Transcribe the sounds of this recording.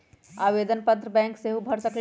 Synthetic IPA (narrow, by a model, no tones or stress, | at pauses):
aːʋeːd̪ənpət̪ɾəbɛ̃ːŋkseɦubʱɐɾsəkl